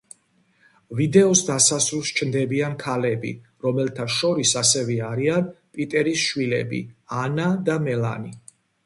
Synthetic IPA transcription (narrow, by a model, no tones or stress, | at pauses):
vid̪ɛɔsd̪asasɾulˠst͡ʃʰnd̪ɛbiankʰalɛbḭ | ɾɔmɛlt̪ʰaʃɔɾisasɛvɛaɾian | pʼit̪ʼɛɾisʃwilɛ̰bḭanad̪amɛla̰ni